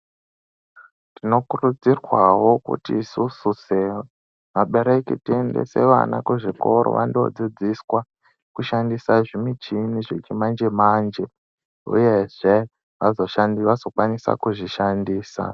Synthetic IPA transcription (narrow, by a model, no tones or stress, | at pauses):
tino̞kurud͡zirwawo̞kṵtiːsususe | maɓe̞ɾekitie̞nde̞̰se̞̰ʋa̰nakuʐiko̞ɾo̰ʋʔando̰d͡zid͡ziswa | kuʃandisaʐimit͡ʃiniʐet͡ʃimand͡ʒemand͡ʒe | ṵje̞ʐe̞ | ʋazo̞ʃandiʋazo̞kwanisa̰kuʐiʃandiːsa̰